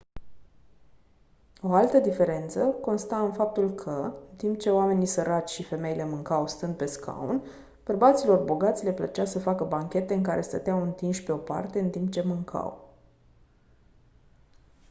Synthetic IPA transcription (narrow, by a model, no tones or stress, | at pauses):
o̞alt̪əd̪ife̞ɾe̞nt̪səko̞nst̪aɨnfap̚t̪ulkʰəɨnt̪imp̚t͡ʃe̞oame̞nisəɾat͡ʃʲʃife̞me̞ile̞mɨŋkawst̪ɨnd̪̚pe̞skʰa̰ṵn | b̥ərbat̪silo̞rboɡat̪sʲle̞plət͡ʃasəfakəbaŋkʲe̞t̪e̞ɨŋkaɾʔe̞st̪ə̰t̪eawɨnt̪inʃʲpe̞o̞pa̰rt̪e̞ɨnt̪impt͡ʃe̞mɨŋkʰa̰w